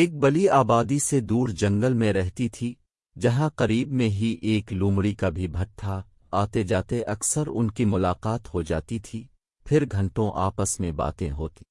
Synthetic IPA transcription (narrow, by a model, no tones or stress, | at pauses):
eːk̚bɐliaːbaːd̪ised̪uːɾd͡ʒɐ̃ŋɡəlmẽɾɛɦt̪it̪ʰi | d͡ʒɐɦãqɐɾiːbmẽɦiʔeːklũːmɽikabʱibʱɐʈʈʰːa | aːt̪ed͡ʒaːt̪eʔɐksəɾʊ̰nkimʊlaːqaːt̪ɦod͡ʒa̰ːt̪it̪ʰi | pʰɪɾɡʱɐ̃ɳʈõʔa̰ːpəsmẽba̰ːt̪ẽɦoːt̪i̥ː